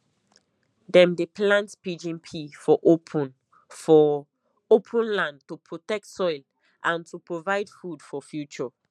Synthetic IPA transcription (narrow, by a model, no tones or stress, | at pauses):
dɛ̃mdeplãntpid͡ʒĩnpʰifɔʔopʰɔ̃n | fɔ | opʰə̃nlãndtupʰɹotɛk̚tsɔɪl | ʔãntupɹovaɪdfudfɔfjut͡ʃɔ